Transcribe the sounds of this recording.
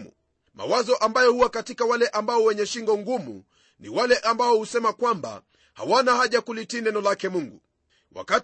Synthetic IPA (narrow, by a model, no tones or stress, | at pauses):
ṵ | ma̰wazɔʔambajɔhuwakatikawalɛʔambaɔwɛɲɛʃiŋɡɔŋɡumṵ | nḭwalɛʔambaɔhusɛmakwamba̰ | ha̰wanahaʄakulitinɛnɔlakɛmuŋɡu | wa̰kat